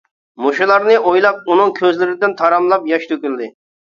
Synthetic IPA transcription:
moʃulˠɑɾnɨʔojlˠɑp̚unɨŋkʲʰøzlɪɾɪd̪ɪnt̪ʰɑɾɑmlˠɑpjɑʃt̪ʰøkʲyld̪ɪ

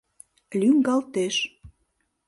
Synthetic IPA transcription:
lyŋɡɑlt̪eʃ

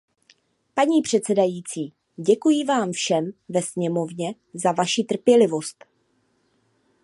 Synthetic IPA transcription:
paɲiːpr̝̥ɛt̪t͡sɛdajiːt͡siː | ɟɛkujɪvaːmfʃɛmvɛsɲɛmo̞vɲɛ | zavaʃit̪r̩pjɛlɪvo̞st̪

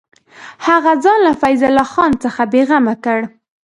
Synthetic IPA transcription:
haɣazɑnlafajzalɑxɑnt͡səxabeɣamakəɽ

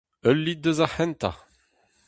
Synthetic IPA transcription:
œlːid̪əzahɛ̃nt̪a̰

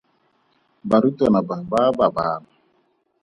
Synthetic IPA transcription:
baɾutɔnababaːbabaːna

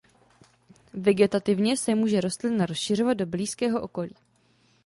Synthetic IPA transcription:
vɛɡɛt̪at̪ɪvɲɛsɛmuːʒɛɾo̞st̪lɪnaɾosʃɪro̞vad̪̚dobliːskɛːɦo̞ʔo̞ko̞lḭː

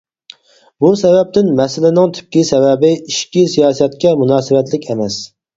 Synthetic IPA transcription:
busɛvɛp̚t̪ʰɪnmɛsɪlɪnɪŋt̪ʰy̥p̚kʲisɛvɛbɪiʃkʲisijɑːsɛt̪̚kʲɛmunɑːsɨvɛt̪lɪkʲʰɛmɛs

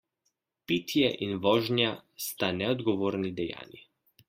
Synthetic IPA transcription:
pit̪jɛʔinʋɔːʒnjast̪anɛɔd̪ɡɔʋoːɾnid̪ɛja̰ːni

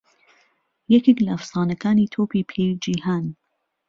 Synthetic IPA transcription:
jɛkeklɐɐfsɑːnɐkaːniːt̪ʰoːpiːpʰejd͡ʒiːhaːn

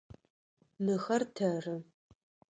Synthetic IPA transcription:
nɨxɐrtʰɐrɨ

